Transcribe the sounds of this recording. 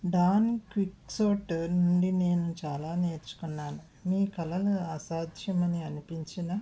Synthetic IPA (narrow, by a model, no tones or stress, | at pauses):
ɖaːnikʋiksoːʈnuɳɖine̞ːnut͡ʃaːlaːne̞ːɾt͡ʃu̥kunːaːnu | miːkɐlɐluɐsaːd̪ʱjɐmɐniɐnipiɲt͡ʃinɐ